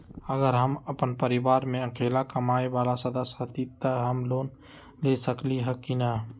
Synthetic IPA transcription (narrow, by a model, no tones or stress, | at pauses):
əɡəɾɦəməpənpəɾibaɾmeəkʰelakəmaebalasəd̪əsɦət̪it̪əɦəmloːn | lesəkliɦəkːinə